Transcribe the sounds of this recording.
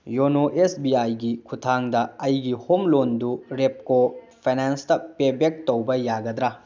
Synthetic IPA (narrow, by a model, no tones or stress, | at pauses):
jonoʔesbiajɡikʰutʰaŋdɐɐjɡihomlonduɾep̚ko | pʰejnanstɐpebek̚towbɐjaɡɐd̪ɾa